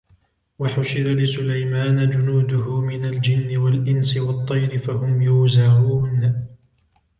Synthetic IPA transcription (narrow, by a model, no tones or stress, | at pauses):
waħʊʃɪdalɪsʊlajmaːnad͡ʒʊnuːd̪ʊhʊmɪnald͡ʒɪnːɪwalʔɪnsɪwɑt̪ˤːɑjɾɪfahʊmjʊːzaʕuːn